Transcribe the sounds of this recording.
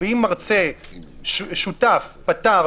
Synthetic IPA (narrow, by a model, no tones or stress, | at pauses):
eimːaʁt͡se | ʃutafpat̪a